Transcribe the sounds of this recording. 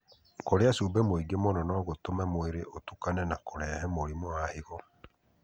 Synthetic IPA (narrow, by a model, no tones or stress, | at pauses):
koɾeasuːbɛmoiɡemonɔnɔɣotomɛmoeɾeʔotukanɛnakoɾɛːhɛmoɾimɔahiɣɔ